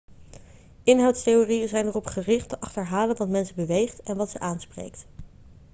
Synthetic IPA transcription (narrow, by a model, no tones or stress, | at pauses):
ɪnɦɑwtstejoːrijənzɛjnərɔpχərɪχtəʔɑχtəɹɦaːlənʋɑtmɛnsəbəʋejχtɛnʋɑtsəʔaːnsprḛjkt